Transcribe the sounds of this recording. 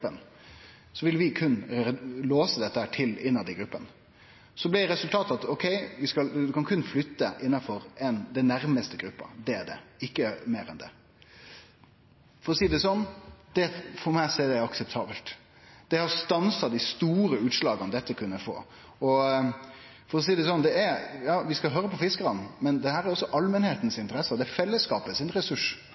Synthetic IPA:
pən | sɔʋɪlʋɪkʰʉnːloːsəd̪ɛt̪ːəhæːʈʰɪlɪnːɑd̪ɪɡɾʉpːən | sɔblɪɾɛsʉlt̪ʰɑːt̪ɑt̪ɔkʰɛɪʋɪskɑlʉkɑnkʰʉnːflʏt̪ːəʔɪnːɑfɔɾɛnd̪ɛnæɾməst̪əɡɾʉpːɑ̰d̪ɛæɖɛ̰ɪkːəmeːɾɛ̰nd̪ɛ̰ | fɔɾɔsiːd̪ɛsɔnːd̪̥ɛfɔɾmæɪsɛːd̪æɪɑksəp̚t̪ʰɑːbəlt̪ | d̪̥ɛhɑɾst̪ɑnsɑd̪ɪst̪uːɾəʉːt̪ʂlɑːɡənəd̪ɛt̪ːəkʰʉnːəfo̰ː | ɔ | fɔɾɔs̬iːd̪ɛs̬ɔnd̪ɛæɾjɑːʋɪskɑlɦøːɾəpʰɔfɪskəɾɑnmɛnd̪ɛhæːɾæɾɔsːɔʔɑlmənheːt̪n̩sɪnt̪əɾɛsːəd̪ɛæɾfɛlːəskɑːpəsɪnɾɛsʉʂ

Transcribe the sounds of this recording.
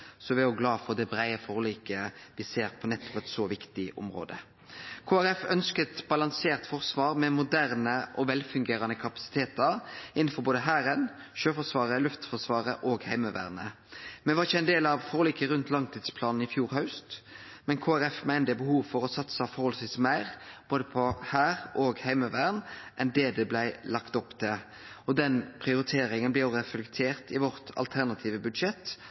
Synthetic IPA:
sɔʋɪɛɾjʊɡlɑːfɔʁd̪ɛbɾæɪəfɔːʁliːkəʋɪseːɾpʰɔnɛt̪ːɔ̥pɛt̪soːʋɪkt̪ɪʔʊ̰mʁo̰ːd̪ə | kʰoːæʁɛfœnskət̪bɑlɑŋseːʁt̪fɔʁsʋɑːɾmɛmʊd̪æʁnəʔɔʋɛlfʉŋɡeːɾɑnəkʰɑpɑ̥sɪ̥t̪ʰeːt̪əɾɪnn̩fɔɾboːd̪əɦæːɾən | ʃøːfɔsʋɑːʁəlʉft̪fɔʁsʋɑːʁəʔoːɡhæɪməʋæ̰ːʁnə | mɛnʋɑʁɪçəæɪnd̪eːlɑʋfɔʁliːkəɾʉnt̪lɑŋt̪ʰiːd̪spʰlɑːnn̩ɪfjuːɾhɑʉst̪mɛnkʰoːæɾɛfmæɪnd̪əbəhuːʋfɔʁɔsɑt̪səɑfɔɾʁhɔləsʋiːsmæɪʁb̥oːd̪əpʰɔhæːʁʔoːɡhæɪməʋæːʁnʔɛnd̪eːd̪ɛblæɪlɑkt̪ɔpːt̪ʰɛ | ɔd̪ɛnpʰʁɪʊɾɪt̪ʰeːɾɪŋənb̪ɛjʊʁɛflɛkt̪ʰeːʁt̪ɪʋɔɾt̪ʰɑ̰lt̪ʰæʁnɑt̪ʰiːʋəbʉd̪ʃɛt̪ː

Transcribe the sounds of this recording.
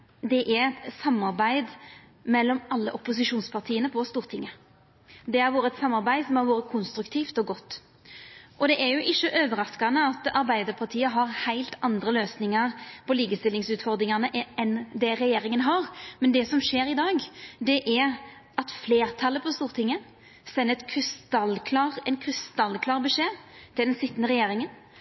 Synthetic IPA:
d̪ɛʔɛɾɛt̪sɑmːɑɾbæɪd̪ | mɛlːɔmɑlːəʔʊpːʊs̬ɪʂuːnspʰɑʁt̪ʰiːənəpʰɔst̪uːʁt̪ʰɪŋːə | d̪ɛhɑɾʋoːɾəɛt̪sɑmːɑɾbæɪsɔmhɑɾʋoːɾəkʰʊnst̪ɾʉkt̪ʰiːft̪ɔɡɔt̪ː | ʔɔd̪ɛʔɛɾjʊʔɪçːəʔøːʋəɾɑskɑnəɑt̪ɑɾbæɪd̪əɾpʰɑʁt̪ʰiːəɦɑʁhæɪlt̪ɑnd̪ɾəløːsnɪŋɑɾpʰɔliːɡəst̪ɪlːɪŋsʉːt̪fɔɾd̪ɾɪŋɑnəʔɛnd̪ɛɾɛjeːɾɪŋənɦɑʁmɛnd̪ɛsɔmʂeːɾɪd̪ɑːɡd̪ɛʔæʁ | ɑt̪fleːɾt̪ʰɑlːəpʰɔst̪uːʁt̪ʰɪŋːə | sɛnːəɛt̪kʰɾɪst̪ɑlkʰlɑʁɛnkʰɾɪst̪ɑlːkʰlɑːʁbəʂeːt̪ʰɪld̪ɛnsɪt̪ːənəɾɛjeːɾɪŋən

